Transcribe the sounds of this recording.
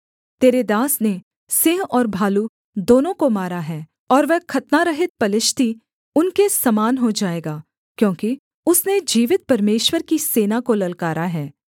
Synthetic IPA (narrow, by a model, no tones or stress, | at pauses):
t̪eːɾed̪aːsne | sɪ̃ɦɔːɾbʱaːlu | d̪oːnõkomaːɾaɦɛː | ɔːɾʋɛɦkʰɐt̪naɾɐɦɪt̪̚pɐlɪʃt̪i | ʊnkesɐmaːnɦod͡ʒaːeːɡaː | kjõːki | ʊsned͡ʒiːʋɪt̪̚pɐɾmeːʃwəɾkiseːnakolɐlkaːɾaɦɛː